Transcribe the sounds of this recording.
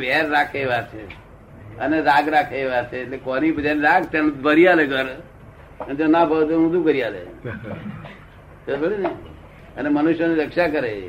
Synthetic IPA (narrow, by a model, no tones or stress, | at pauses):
ʋɛɾːakʰeʋaɾt͡ʃʰe | əneɾaɡɾakʰeʋaɾt͡ʃʰeːʈlekonibəd͡ʒ̪aniɾaɡ̚t̪enbəɾijaleɡʱəɾ | ənd͡ʒonabʱəlt̪oũd̪ukəɾijalḛ | obʱəɽine | ənemənuʃjoniɾəkʃakəɾe